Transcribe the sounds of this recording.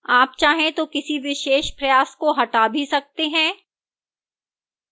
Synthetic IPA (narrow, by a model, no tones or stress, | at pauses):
aːp̚t͡ʃaːɦẽt̪okɪsiʋɪʃeːʃpɾɐjaːskoɦɐʈaːbʱisɐk̚t̪eɦɛ̃ː